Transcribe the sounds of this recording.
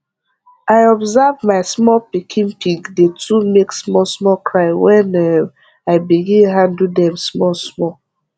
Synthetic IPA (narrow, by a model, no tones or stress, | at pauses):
aɪɔbzavmaɪsmɔlpikʰĩnpiɡdetumeksmɔlsmɔkʰɹaɪwɛ̃nɛ | aɪbiɡĩnɦãndudɛ̃msmɔlsmɔ